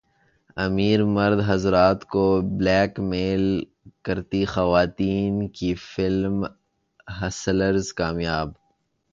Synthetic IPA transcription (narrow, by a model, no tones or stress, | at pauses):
ɐmiːɾmɐɾd̪ɦɐzɾaːt̪koblɛːkmeːl | kɐɾt̪ixɐʋaːt̪iːnkifɪlm | ɦɐsləɾzkaːmjaːb